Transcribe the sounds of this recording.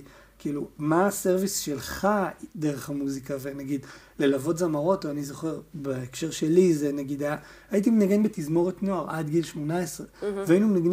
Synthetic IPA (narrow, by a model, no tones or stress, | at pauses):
kiːlumaːse̞ʁvisʃe̞lχad̪e̞ʁeχhamuzikave̞naɡid | le̞lavo̞tzamaʁo̞toanizo̞χe̞ʁbeːkʃe̞ʁʃe̞lizenaɡid̪aja | ajit̬imenaɡe̞nbetizmo̞ʁetnoaʁʔadɡilʃmo̞naesʁeveainumenaɡn